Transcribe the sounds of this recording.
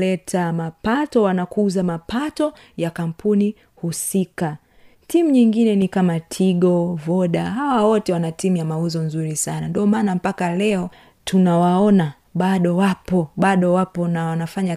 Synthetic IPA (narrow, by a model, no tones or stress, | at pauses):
lɛtʰamapatɔwanakuzamapatɔ | jakam̩pʰuni | husika | timuɲiŋɡinɛnikamatʰiɠɔvɔɗaɦawawɔtɛwanatimujamauzɔnzuɾisanandiɔmaːnam̩pakalɛɔ | tunawaɔna | ɓaɗɔwapɔɓaɗɔwapɔnawanafaɲa